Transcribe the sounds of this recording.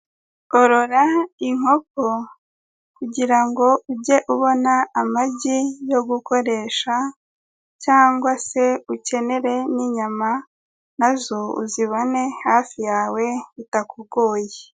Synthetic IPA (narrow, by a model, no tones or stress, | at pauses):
oɾo̞ɾaiŋ̥o̞ko | kuɟiɾaŋɡo̞uɟe̞ʔuβo̞naːmaɟijo̞ɡuko̞ɾe̞ːʃa | caːŋɡwase̞uce̞ne̞ɾe̞niɲama | nazo̞ṵziβone̞haːfijaːwe̞itakuɡoːje